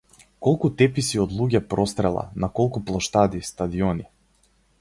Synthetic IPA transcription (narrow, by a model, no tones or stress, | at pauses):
kɔlˠkut̪ɛpisiɔd̪lˠuɟɛpɾɔst̪ɾɛlˠa̰nakɔlˠkuplˠɔʃt̪ad̪ist̪ad̪iɔni